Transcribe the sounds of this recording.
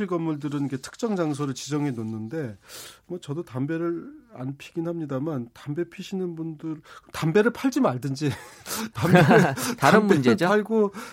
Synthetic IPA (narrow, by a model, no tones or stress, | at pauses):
iɡʌmːuɭdɯɾɯnike̞tʰɯ̥k̚t͡ɕ͈ʌŋd͡ʑaŋs̬ʰoɾɯɭt͡ɕid͡ʑʌŋenonːɯnde̞mwʌt͡ɕʌdotambe̞ɾɯɾa̰npʰiɡinhamɲidamantambe̞pʰiɕʰinɯnbundɯɾtambe̞ɾɯɭpʰaɭd͡ʑimaɭdɯnd͡ʑitametaɾɯnmund͡ʑed͡ʑoaɭɡo